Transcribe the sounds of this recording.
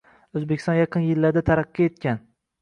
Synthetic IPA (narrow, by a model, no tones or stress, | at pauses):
ɵzbekʲɪ̥st̪ɒnjɑqʰɨnjɪlːaɾd̪at̪ʰaɾaqːie̞t̪̚kʲan